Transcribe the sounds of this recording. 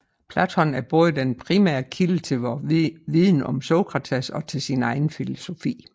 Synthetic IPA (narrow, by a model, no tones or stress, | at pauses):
pʰlæt͡sʰɒ̽næɐb̥oːðˠd̥enpʰʁimæ̰ːɐkʰilət͡sʰe̝lʋɒʋiðˠn̩ɒ̽msoʊɡ̥ʁɑ̈t͡sʰesɒ̽t͡sʰe̝lsinɑ̈ɪn̩filo̝so̝fḭː